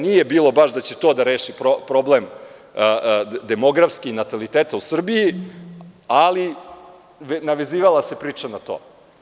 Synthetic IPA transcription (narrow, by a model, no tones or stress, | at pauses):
nije̞biːlˠo̞baʃd̪at͡ɕe̞t̪oːd̪aɾeːʃipɾopɾo̞blem | d̪e̞mo̞ɡɾafskiinat̪alit̪eːt̪ausr̩biji | ali | ʋnaʋe̞ziːʋalˠase̞pɾiːt͡ʂanat̪o̰ː